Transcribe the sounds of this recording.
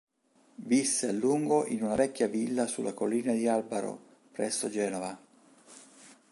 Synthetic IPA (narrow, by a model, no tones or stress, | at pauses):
visːealːuŋɡoʔinunavɛkʲːjavilːasulːʔakolːiːnad̪ialbaɾo̰ | pɾɛsːod͡ʒɛːnova